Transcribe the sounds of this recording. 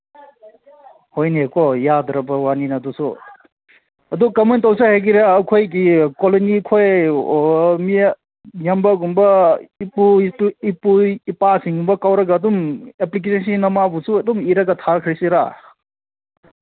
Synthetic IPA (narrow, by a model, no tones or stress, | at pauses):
hojnikɔjadɾɐbɐwaninɐdusṵ | ɐdukamentawsaheɡiɾaːkʰojɡikolonikʰoj | mi | jambaɡumbɐiputipuipasiŋɡumbɐkawɾɐɡaːdumeplik̬esensinɐmabusuɐdumiɾɐɡatʰaɾkʰɾisiɾa̰